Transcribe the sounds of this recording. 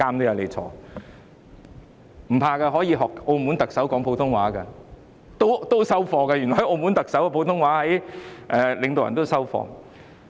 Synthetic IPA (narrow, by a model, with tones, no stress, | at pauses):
kaː˥mt̪o˥wjɐ˨˧wle˨˧jt͡sʰɔ̰ː˨˥ | m̩˨˩pʰaː˧kɐ˧ɦɔː˨˥jiː˧ɦɔː˨k̚ʔo˧mu˨˥nt̪ɐ˨k̚sɐ˨˥wkɔː˨˥ŋpʰo˧wt̪ʰʊ˥ŋwaː˨˥kɐ˧ | t̪o˥wt̪o˥wsɐ˥wfɔː˨˧kɐ˧jy˨˩nɔː˨˩hɐ˨˥joː˧muː˨˥nt̪ɐ˨k̚sɐ˨˥wɐ˧pʰo˧wt̪ʰʊ˥ŋwaː˨˥hɐ˨˥jʔɛː˨lɪ˨˧ŋt̪o˨wjɐ̰˨nt̪o˥wsɐ˥wfɔ̰ː˧˩ŋ